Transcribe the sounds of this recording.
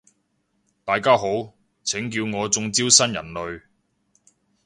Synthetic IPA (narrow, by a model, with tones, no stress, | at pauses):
t̪aː˨˧jkaː˥ɦo˨˥w | t͡sʰɪ˨˥ŋk̬iː˧wŋɔː˨˧t͡sʊ˧ŋt͡siː˥wsɐ˥njɐ̰˨˩nlɵ˨˧ɥ